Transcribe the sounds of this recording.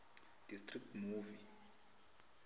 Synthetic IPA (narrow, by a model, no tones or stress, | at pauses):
d̥istʼrik̚tmuːvi